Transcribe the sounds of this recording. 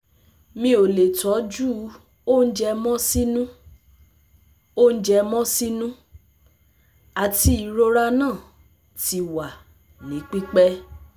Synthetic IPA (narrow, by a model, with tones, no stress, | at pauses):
mĩ˦o˨le˨tɔ˨˦d͡ʒu˦ | o˦n̩˦d͡ʒɛ˧mɔ̃˦si˦nũ˦ | o˦˨n̩˦d͡ʒɛ˧mɔ̃˦si˦nũ˦ | a˨ti˧˦i˨˧ɾo˦ɾa˦nãː˦˨ | ti˧wa˨ | nĩ˨˦k͡pi˦k͡pɛ˦